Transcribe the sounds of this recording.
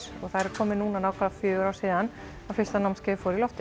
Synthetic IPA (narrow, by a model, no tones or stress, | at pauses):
sɔ̰ɣθaðɾɛɾ̥kʰɔːmɪnuːnanaːwkʰvaðafjʏːɾaːwsiːðan | afɪst̪anawmskcɛːfɔwɾilɔft̪ɪ